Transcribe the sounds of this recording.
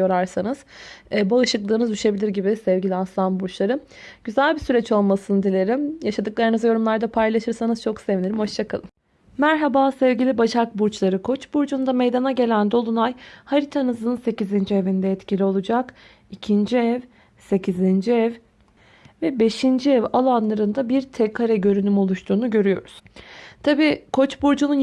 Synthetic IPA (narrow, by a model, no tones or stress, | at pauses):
oɾˠaɾsanɯz̥ɛbaɯʃɯklˠɯːnɯzd̪yʃe̞bilʲiɾɟibisɛvɟilʲiaslˠanbuɾt͡ʃlˠaɾɯ | ɟ̥yzælʲbisyɾɛt͡ʃo̞lˠmasɯnd̪ilʲeɾimjaʃad̪ɯk̚lˠaɾɯnɯzjo̞ɾumlˠaɾd̪apʰajlˠaʃɯɾsanɯzt͡ʃʰo̞ksevineɾimho̞ʃt͡ʃʰakʰalˠɯm | mæɾɦabaːsɛvɟilʲibaʃak̚buɾt͡ʃlˠaɾɯkʰo̞t͡ʃbuɾd͡ʒund̪ame̞jd̪anaɟe̞lʲænd̪o̞lˠunajhaɾit̪ʰanɯzɯnse̞cizind͡ʒievind̪ɛɛt̪cʰilʲio̞lˠud͡ʒak | icʰind͡ʒiɛv | se̞cʰizind͡ʒiɛv | vɛbe̞ʃind͡ʒiɛvalˠanlˠaɾɯnd̪abiɾt̪ʰɛkʰaɾɛɟø̞ɾynymo̞lˠuʃt̪ʰuːnuɟø̞ɾyjo̞̰ɾuz̥t̪ʰabiːkʰo̞t͡ʃbuɾd͡ʒunun